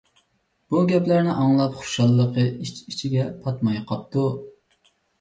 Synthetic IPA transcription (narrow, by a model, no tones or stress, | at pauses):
b̥uɡʲɛplæɾnɪʔɑŋlˠɑpχu̥ʃɑlˠːəqəit͡ʃit͡ʃʰiɡʲɛpʰɑt̪mɑjqʰɑp̚t̪ʰu